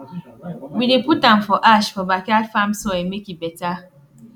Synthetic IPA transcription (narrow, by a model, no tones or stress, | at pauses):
wideputam̩fɔʔaʃfɔbakeatfamsɔemekibɛta